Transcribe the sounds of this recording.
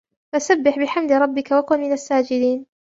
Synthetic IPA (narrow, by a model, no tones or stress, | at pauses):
faʔsabːɪħbɪħamd̪ɾˤɑbːɪkawakʊnmɪnasːaːd͡ʒɪd̪iːn